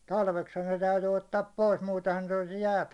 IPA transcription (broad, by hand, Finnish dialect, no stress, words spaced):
tɑlʋekshɑ ne tæyty otːɑːp pois muːtehɑn̞ ne o̥l̥i̥s jæːt